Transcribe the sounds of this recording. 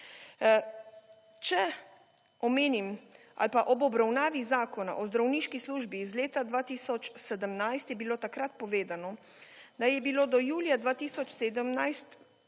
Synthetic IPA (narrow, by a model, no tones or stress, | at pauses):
t͡ʃɛ | ɔmeːnim | a̰lpaʔɔbɔbɾawnaːʋizaːkɔna̰ʔɔzd̪ɾawniːʃkisluːʒbizleːt̪ad̪ʋaːt̪iːsɔt͡ʃsɛd̪əmnajst̪jɛbiloːt̪akɾat̪pɔʋeːd̪anɔ | d̪ajɛbiloːd̪ɔjuːljad̪ʋaːt̪iːsɔt͡ʃseːd̪əmnajst̪